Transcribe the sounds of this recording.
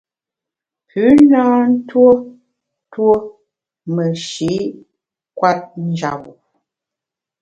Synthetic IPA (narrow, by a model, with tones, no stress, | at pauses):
pʉ˨˦naː˦n̩˦two˦ | two˦ | mə˨ʃi˨˦ | kwa˦t̚n̩˦d͡ʒa̰˨wu˨